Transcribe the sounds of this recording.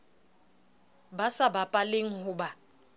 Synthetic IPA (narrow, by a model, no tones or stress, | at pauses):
basabapʼaleŋ̩hʊːba